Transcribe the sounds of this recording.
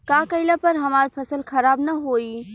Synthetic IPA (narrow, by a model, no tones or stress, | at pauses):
kakəɪlapəɾɦɐmaːɾpʰəsəlkʰɐɾaːbnaɦoːi